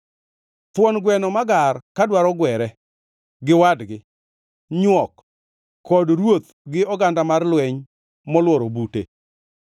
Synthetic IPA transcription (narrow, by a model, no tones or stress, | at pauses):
t̪wɔnɡwɛnɔmaɡarkadwaɾɔɡwɛɾɛ | ɡɪwadɡɪ | ɲwɔkʰː | ɔdɾwot̪ | ɡɪɔɡandamarlwɛɲ | mɔlwɔɾobutḛ